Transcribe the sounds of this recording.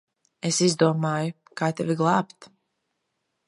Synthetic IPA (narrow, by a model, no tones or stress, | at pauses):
esizd̪uɔmaːju | kaːt̪ɛvʲiɡlˠaːpt̪